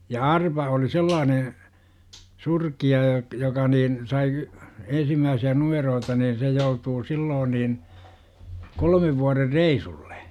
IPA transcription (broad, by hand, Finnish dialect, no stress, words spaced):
jɑ ɑrpɑ oli selːɑːne surkiɑ jɑ jokɑ niːn sɑi ensimːæːsiæ numeroːtɑ nin se joutuː siːloːn niːn kolmeʋ ʋuɒrer reisulːe̥